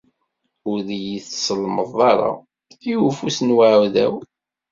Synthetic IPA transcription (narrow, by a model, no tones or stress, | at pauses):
ʊɾðijiθsəlməðˤɑɾˤɑ̰ | ijufusənwaʕðæ̰w